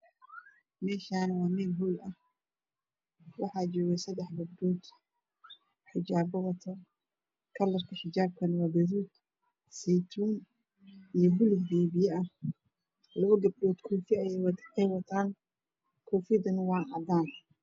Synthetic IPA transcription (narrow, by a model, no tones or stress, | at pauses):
mɛːʃaːnwɑːmɪlɦuːlɐh | wɑħɑːt͡ʃɔːɣɛsɐd̪ɛħɡɐbɖɔːd̪ | ħɪd͡ʒaːbɔwɐt̪ʰɔ | kʰɐlɐrkʰɐħɪd͡ʒaːb̚kʰɐnwɑːbɐðuːd̪ | sɛt̪ʰuːn | ijɞɦʊlɪɡdɛːβɪjɛʔɐ | lɐɣɐɡɐb̚dɔːd̪kʰɔːfiɐjɛjwɑd̪qɛwɐt̪ʰaːn | kʰɔːfɪd̪ɐnwɑːʔɑd̪aːn